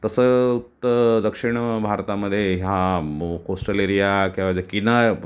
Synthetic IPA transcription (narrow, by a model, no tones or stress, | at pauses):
t̪əsəut̪ːəd̪əkʂiɳ̃bʱaɾt̪aməd̪ʱːjeɦjakosʈəleɾijakĩʋad͡ʑakina